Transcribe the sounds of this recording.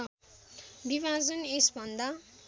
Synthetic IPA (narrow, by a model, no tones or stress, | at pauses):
bibʱad͡zʌnesbʱʌnd̪a